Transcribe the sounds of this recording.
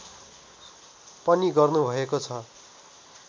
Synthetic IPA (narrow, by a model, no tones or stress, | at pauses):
pʌniɡʌrnubʱʌekot͡sʰʌ